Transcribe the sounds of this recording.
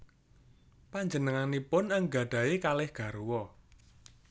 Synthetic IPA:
paɲd͡ʒənəŋanipʊnəŋɡa̤ɖ̥a̤ekalɪhɡ̥ä̤ɾuwɔ

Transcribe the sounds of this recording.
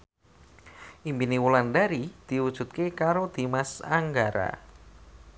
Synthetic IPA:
ʔimbiniwulandaɾid̪̥i̤wud̥ʒ̥ṳt̪̚kekaɾod̪̥i̤masaŋɡaɾa̰

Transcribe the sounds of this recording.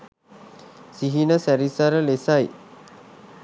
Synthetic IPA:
siɦinəsæɾisaɾəlesaj

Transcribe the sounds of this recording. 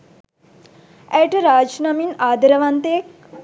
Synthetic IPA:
ɛʈɾaːd͡ʒnɐminaːd̪ɐɾɐʋant̪eːk

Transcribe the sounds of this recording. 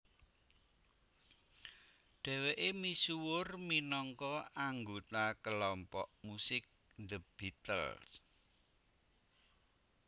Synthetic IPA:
ɖ̥ɛ̤weʔemisuwʊrminɔŋkɔaŋɡot̪akəlɔmpɔ̰ʔmusɪk̚ | nd̪əb̥it̪ə̰ls

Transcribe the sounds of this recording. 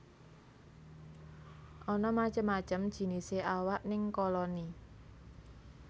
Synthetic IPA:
ʔɔnɔmḁt͡ʃəmːat͡ʃəmd̥ʒ̥i̤niseʔawaʔnɪŋkɔlɔni

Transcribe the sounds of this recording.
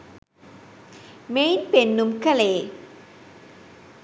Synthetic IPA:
mejnpenːumkɐleː

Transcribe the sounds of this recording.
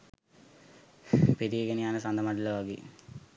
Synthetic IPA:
ped̪ieɡenianəsand̪əmaɖələʋaɡḛː

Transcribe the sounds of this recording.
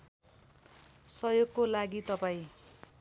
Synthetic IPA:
sʌjoɡkolaɡit̪ʌpaĩ

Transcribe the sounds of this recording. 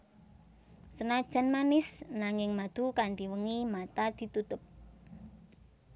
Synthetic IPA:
sənad̥ʒ̥ə̤nmanɪsnaŋɪŋmad̪̥ṳkaɳɖiwəŋimat̪ad̪̥i̤t̪ut̪ʊp̚

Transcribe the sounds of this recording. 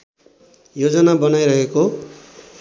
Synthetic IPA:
jod͡zʌnabʌnajɾʌɦeko

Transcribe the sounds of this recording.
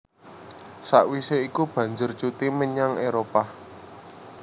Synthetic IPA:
saʔwiseikub̥ä̤ɲd͡ʒʊrt͡ʃut̪iməɲaŋeɾopa

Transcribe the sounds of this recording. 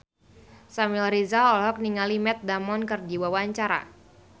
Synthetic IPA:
samilrizalɔlɦɔk̚niŋalimɛt̪̚damɔnkərdiwawaɲt͡ʃaɾa̰

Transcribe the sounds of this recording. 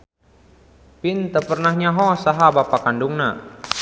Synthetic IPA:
pɪnt̪əpərnahɲaɦɔsaɦabapakanduŋna

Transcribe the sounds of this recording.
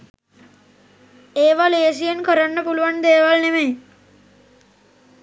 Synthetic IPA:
eːʋaleːs̬ijenkəɾanːəpuluʋand̪eːʋalnemeː

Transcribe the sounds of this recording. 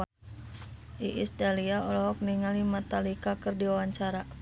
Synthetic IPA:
iʔist̪aliaɔlɔɦɔk̚niŋalimat̪alikakɨrdiwawaɲt͡ʃaɾa

